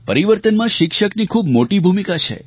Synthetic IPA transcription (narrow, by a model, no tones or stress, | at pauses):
pəɾiʋəɾt̪ənmãʃɪkʃəknikʰubmoʈibʱumikat͡ʃʰḛ